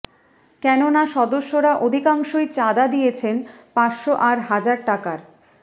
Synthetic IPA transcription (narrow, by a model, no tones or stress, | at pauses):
kɛnonaʃɔd̪oʃːoɾaʔod̪ʱikaŋʃojt͡ɕad̪ad̪ijet͡ɕʰen | pat͡ɕʃoʔaɾɦad͡ʑaɾʈakaɾ